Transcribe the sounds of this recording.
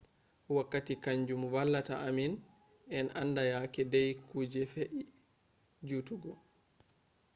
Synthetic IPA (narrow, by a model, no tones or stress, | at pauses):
wakːatikaɲd͡ʒumwalːataʔamin | ɛnandajakɛdɛjkuːd͡ʒɛfeʔi | d͡ʒutuɡɔ